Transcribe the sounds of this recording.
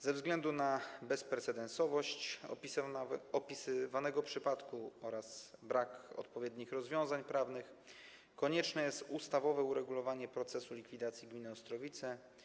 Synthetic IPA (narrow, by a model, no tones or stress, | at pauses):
zɛvzɡlɛnd̪unabɛspɾɛt̪sɛd̪ɛnsɔvɔɕt͡ɕʲ | ɔpʲisɘvanɛɡɔpʂɘpat̪kuɔɾaz̥bɾakɔ̰t̪pɔvʲjɛd̪ɲixɾɔzvʲjɔ̃w̃zaɲpɾavnɘx | kɔɲɛt͡ʂnɛjɛst̪ust̪avɔvɛuɾɛɡulɔvaɲɛpɾɔt̪sɛsulʲikfʲid̪at̪sʲjiɡmʲinɘɔst̪ɾɔvʲit̪sɛ